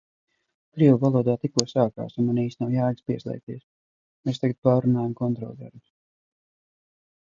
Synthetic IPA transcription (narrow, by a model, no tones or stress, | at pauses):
kɾiɛwvalˠuɔd̪aːt̪ikuɔsaːka̰ːsunmaniːsnawjaːlʲspiɛslˠɛ̰k̚t̪iɛs | mest̪aɡat̪̚paːɾunaːjamkɔnt̪ɾɔ̰lˠd̪a̰ɾms